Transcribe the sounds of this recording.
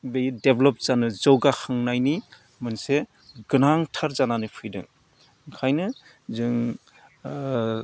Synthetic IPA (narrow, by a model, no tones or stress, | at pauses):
bejdeblɔp̚z̥anɯzɔwɡahaŋnajni | mɯnse | ɡɯnaŋtʰaɾzananɯpʰɯjdɯ̰ŋ | kʰajnɯ | zɯŋ